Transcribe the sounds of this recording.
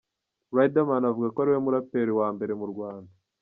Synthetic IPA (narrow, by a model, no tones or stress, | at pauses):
wajdamanavuɡakoaɾiwemuɾapeɾiwaːmbe̞ɾe̞muɾɡwaːnda